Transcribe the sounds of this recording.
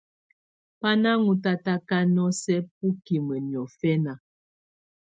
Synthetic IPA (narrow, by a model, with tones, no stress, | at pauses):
pa˦na˦ŋu˨ta˦ta˦ka˦nɔ˦sɛ˦p̚u˦ki˨mə˨ni˨ɔ˨fɛ˦na˨